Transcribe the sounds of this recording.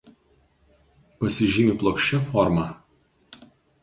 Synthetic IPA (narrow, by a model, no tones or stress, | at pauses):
pɐsʲɪʒʲimʲiˑplˠoːkʃʲt͡ʃʲɛfɔɾmɑ